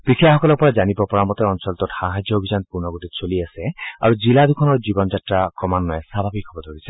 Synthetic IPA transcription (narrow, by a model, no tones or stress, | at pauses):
pɹikʰijaxɔkɔlɔɹpɔɹazanibɔpɔɹamɔtɛɔnsɔlt̪ɔtxaɦad͡ʒjɔobʱizanpunɔɡotitsoliasɛa̰ɹuziladukʰɔnɔɹzibɔnzatɹakɔmanːɔjɛsabʱabikʰɔbɔdʱoɹisɛ